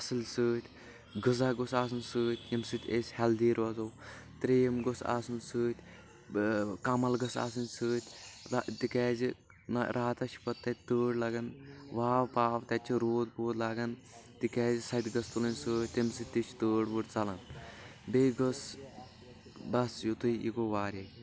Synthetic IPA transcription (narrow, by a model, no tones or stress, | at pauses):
ɐsɨlsɨːt̪ʰʲ | ɡɨzaːɡosaːs̬ɨnsɨːt̪ʲʰjɐmsɨt̪ʰʲesʲhɛld̪iːɾʋɐzoːw | t̪ɾejɐmɡosa̰sɨnsɨːt̪ʲ | kɐmɐlɡɐsa̰ːsɨnʲsɨːt̪ʲʰt̪ikɛːzi | nɐɾʔaːt̪ɐt͡ʃʰpɐt̪ːɐt̪ʲt̪əːɽlɐɡɐnʋaːʋpaːʋt̪ɐt͡ʃʰiɾoːd̪boːt̪laɡɐn | t̪ikɛːzisɐt̪ʲɡɐst̪ulɐnʲsɨːt̪ʲt̪imsɨt̪ʲt̪it͡ʃʰt̪əːɽbɨʈt͡sɐlɐnbeːɡos | bɐsjut̪ɨiḭkoʋaːɾe